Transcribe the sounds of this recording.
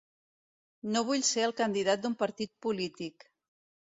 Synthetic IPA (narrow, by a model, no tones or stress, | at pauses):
noβ̞uʎseəlˠkənd̪iðat̪̚d̪umpəɾt̪it̪̚pulit̪ik